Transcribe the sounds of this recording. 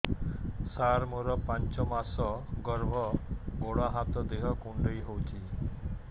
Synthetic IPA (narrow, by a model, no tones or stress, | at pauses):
saɾmuɾəpaɲt͡ɕɔmasɔɡəɾʋ̤ʱɔɡoɭaɦãt̪ɔd̪eɦakuɳɖəɭiɦowt͡ɕiː